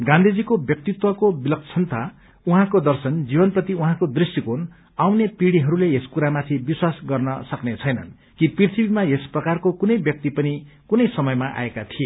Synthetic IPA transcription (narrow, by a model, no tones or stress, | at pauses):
ɡãnd̪ʱid͡zikobjʌk̚t̪it̪wʌkobilʌkt͡sʰʌnt̪ʰa | uɦãkod̪ʌrsʌnd͡zibʌnprʌt̪iuɦãkod̪risikon | awnepiɽiɦʌɾuleeskuɾamat̪ʰibiswasɡʌrnʌsʌknet͡sʰʌjnʌ̰n | kiprirt̪ʰibimaesprʌkarkokunʌjbjʌk̚t̪ipʌnikunʌjsʌmʌjmaʔa̰ekat̪ʰije